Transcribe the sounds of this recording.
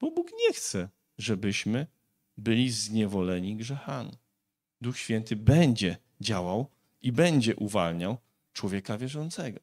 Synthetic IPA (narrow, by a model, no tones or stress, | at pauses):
b̥ɔbukɲɛxt̪sɛ | ʐɛbɘɕmɘ | bɘlʲizɲɛvɔlɛɲiɡʐɛxamʲi | d̪uxɕfʲjɛnt̪ɘbɛɲd͡ʑɛ | d͡ʑawaw | ibɛɲd͡ʑɛʔuvalɲaw | t͡ʂwɔvʲjɛkavʲjɛʐɔnt̪sɛɡɔ